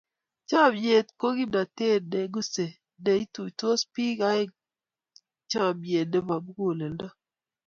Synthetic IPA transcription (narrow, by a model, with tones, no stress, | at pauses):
t͡ʃa˦˨bje˨t̚ko˦ɡi˦da˨te˦˨de˨ɡu˦se˨ | de˨i˦tu˨to˦spi˦ka˦e˦ | t͡ʃa˦˨bje˨t̚de˦va˨bu˦ɡo˨le˨lda˦